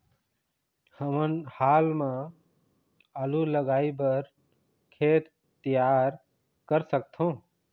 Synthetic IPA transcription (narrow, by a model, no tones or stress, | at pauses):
həmənhalma | əluləɡajbəɾ | kʰet̪ | t̪ijaɾ | kəɾsək̚t̪ʰõ